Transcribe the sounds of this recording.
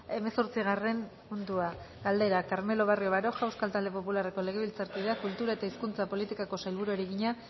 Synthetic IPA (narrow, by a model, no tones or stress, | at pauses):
e̞me̞so̞ɾt͡siɣ̞are̞n | und̪ua | ɡald̪e̞ɾakaɾme̞lo̞β̞ario̞βaɾo̞ʝawskalt̪ald̪e̞po̞pulare̞ko̞le̞ɣ̞e̞βilt͡saɾkiðeakult̪uɾaet̪aiskunt͡sapo̞lit̪ikako̞sajlβuɾoɾiɣiɲa